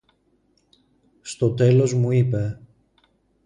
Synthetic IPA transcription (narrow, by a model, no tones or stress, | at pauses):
st̪o̞t̪e̞lo̞zmuipe